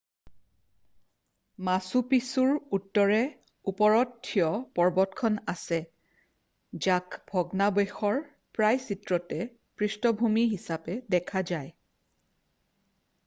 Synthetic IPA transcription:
masupisuɹutːɔɹɛ | upɔɹɔtʰːijɔpɔɹbɔtkʰɔnasɛ | d͡ʒakbʱɔɡnabɔxɔɹ | pɹajsitɹɔtɛ | pɹistɔbʱumiɦisapɛdɛkʰazaj

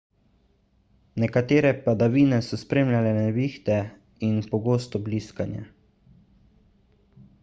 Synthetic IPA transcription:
nɛkat̪eːɾɛpad̪aʋiːnɛsɔspɾeːmlʲjalɛnɛʋiːxt̪ɛ | inpɔɡoːst̪ɔbliskanja̰

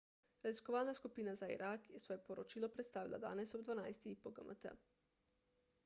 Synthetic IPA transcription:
ɾeziskoʋaːlnaskupinazaḭɾʔakjesʋojepoɾot͡ʃilˠopɾet̪st̪aːʋilˠʔa̰d̪a̰ːnesobd̪ʋanajst̪iipoɡəmʔə̰t̪ə̰

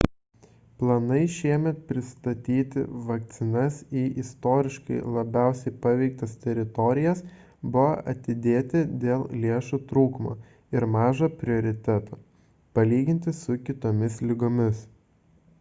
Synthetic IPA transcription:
plˠɐnɐɪʃʲiɛmʲɛt̪̚pʲɾʲɪst̪ɐt̪ʲiːt̪ʲɪ̰ʋɐk̚t̪sʲɪnɐsiːʔɪst̪oːɾʲɪʃkɐɪlˠɐbʲæˑʊsʲɛɪpɐʋʲɛɪk̚t̪ɐst̪ʲɛɾʲɪt̪ɔɾʲɪjɛs | bʊʋoʔɐt̪ʲɪd̪ʲeːt̪ʲɪd̪ʲeːlˠlʲeːʃut̪ɾuːkmo̰ː | ɪɾmɑːʒɐpʲɾʲɪoːɾʲɪt̪ʲɛt̪oː | pɐlʲiːɡʲɪnʲt̪ʲɪsʊkʲɪt̪oːmʲɪslʲɪɡoːmʲɪs

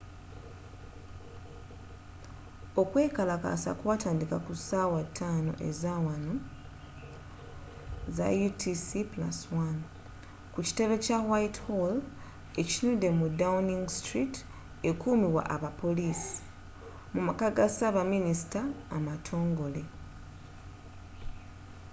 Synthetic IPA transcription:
o̞kwe̞ːkalaka̰sa̰kwaːtaːndikakusaːwatʰːaːno̞̰ʔezawano | za̰jutʰisipla̰swan | kuci̥te̞βe̞cawajithol | e̞cinude̞mudauniŋɡstɾit | e̞kuːmiwa̰ʔaβapo̞lisi̥ | mumakaɡasaβaminisi̥taːmatʰo̞ːŋɡo̞le̞

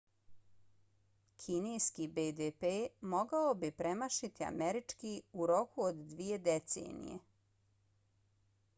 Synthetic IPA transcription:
kʰinejskibed̪epemo̞ɡaobipɾemaʃit̪ia̰meɾit͡ʂkiuɾo̞kuod̪ːʋie̞d̪et̪sḛːnḭjḛ

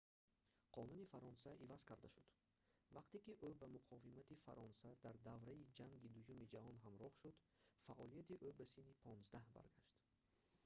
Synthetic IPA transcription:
qʰɔnunifaɾɔnsaʔivaz̥kʰaɾd̪aʃud̪̥ | vaqt̪ekiʔobamuqʰɔvimat̪ifa̰ɾʔɔnsad̪aɾd̪avɾaid͡ʒaŋɡid̪ujumid͡ʒahɔnɦamɾɔhʃud̪ | faʔɔlijat̪iʔobasinipʰɔnzd̪ahba̰ɾɡaʃt̪

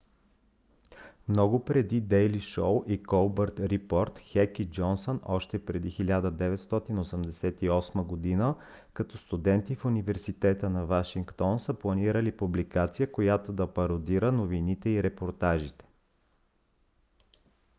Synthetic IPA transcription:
mnɔɡʊpɾɛd̪id̪ɛjliʃowʔikolˠbəɾt̪ɾipɔɾt̪xɛkid͡ʒɔnsonɔʃt̪ɛpɾɛd̪ixilʲad̪əd̪ɛvɛt̪st̪ɔt̪inosəmd̪ɛsɛt̪iɔsməɡod̪inə | kɐt̪ɔst̪ud̪ɛnt̪ifʊnivɛɾsit̪ɛt̪ənɐvaʃiŋkt̪ɔnsəplˠɐniɾəlipublikat̪sijəkojat̪od̪ɐpɐɾod̪iɾənovinit̪ɛiɾɛpoɾt̪aʒit̪ɛ̥

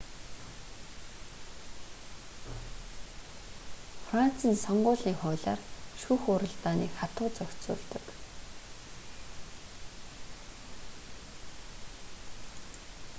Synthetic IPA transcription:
fran̥t͡siːnsɔɴɢʊːɮiːŋχʊːɮa̰ːrʃuːxʊɾə̆ɮt̪aːnḭːkχat̪ʊːt͡sœkʲt͡sʊ̰ːɮt̪ə̆k

